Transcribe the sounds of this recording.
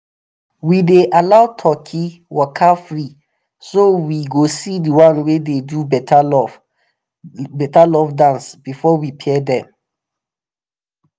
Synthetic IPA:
wideʔalaʊtʰɔkʰiwakʰafɹi | sowiɡosidiwãnwededubɛtalɔ | bɛtalɔfdãnsb̥ifɔwipʰɛdɛ̃m

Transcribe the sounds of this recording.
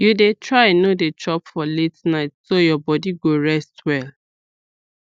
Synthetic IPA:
judetʰɹaɪnoded͡ʒɔpfɔletnaɪtsojɔbɔdiɡoɹɛstwɛl

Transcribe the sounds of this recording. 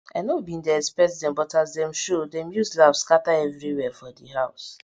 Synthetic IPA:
anobĩndɛɛspɛtdɛ̃mbɔtazdɛ̃mʃodɛ̃mjuslavskataɛvɹiwɛfɔdiɦaʊs

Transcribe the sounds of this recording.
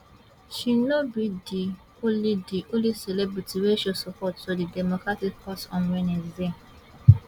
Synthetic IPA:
ʃinobidi | olidioliselebɹitiweʃosɔpʰɔtsodidɛmokɹatik̚pʰatɔ̃nwɛnezem

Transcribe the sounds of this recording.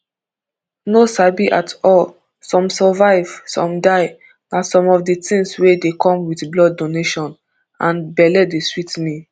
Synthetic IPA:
nosabiʔatʰɔl | sɔ̃msɔvaɪv̥sɔ̰̃mdaɪ | nasɔ̃mɔvdətĩŋswedekɔ̃mwitblɔdːoneʃɔ̃n | ãnbɛlɛdeswitmĩ

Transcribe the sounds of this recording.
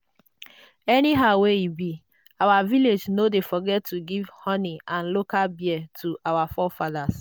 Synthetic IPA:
ɛniɦaweibi | awaviled͡ʒnodefɔɡɛtːuɡivhɔniʔãn̩lokalbjɛtʰuʔawafɔfadas

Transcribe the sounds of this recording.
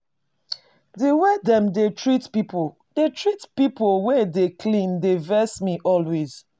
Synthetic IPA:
diwɛdɛ̃mdetʰɹitpipʰo | detʰɹitpipolwɛdekʰlĩndevɛsmiʔɔlwez̥

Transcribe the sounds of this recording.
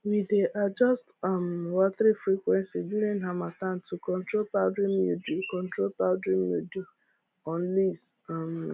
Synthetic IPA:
wideʔad͡ʒɔstɔmwaθɾifɾikʷwɛnsiduɾĩnɦamatantukɔ̃ntɾopaʊdɾimudukɔ̃ntɾolpaʊdɾimjudu | ɔ̃n̩lis | m

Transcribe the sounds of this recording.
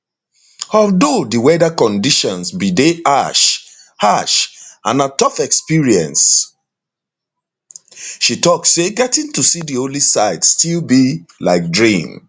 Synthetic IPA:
ɔldodiwɛdakɔ̃ndiʃɔ̃nsbideʔaʃ | haʃãnatɔfɛkspiɹiɛ̰̃ns | ʃitɔksːeɡɛtĩntusidiolisaɪdstʰilbilaɪk̚dɹĩm

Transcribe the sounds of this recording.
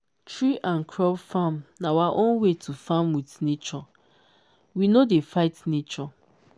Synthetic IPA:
tɹiʔãnkʰɹɔbfãmnawaʔõnwetʰufãmwitnet͡ʃɔ | winodefaɪtnet͡ʃɔ

